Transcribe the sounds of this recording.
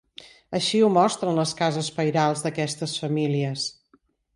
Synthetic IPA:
əʃiumɔst̪ɾənləskazəspəjɾalˠzðəkɛst̪əsfəmiliəs

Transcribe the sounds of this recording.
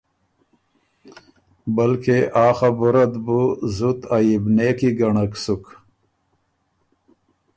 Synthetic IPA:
bɐlkeʔaːxabuɾɐd̪buzut̪ajibneːkiɡɐɳɐksuk

